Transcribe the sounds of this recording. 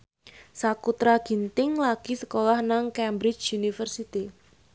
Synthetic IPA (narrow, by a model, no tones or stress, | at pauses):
sakut̪ɾaɡ̥i̤nt̪ɪŋlaɡ̥isə̥kolahnaŋkɛmbɾɪt͡ʃunifərsit̪i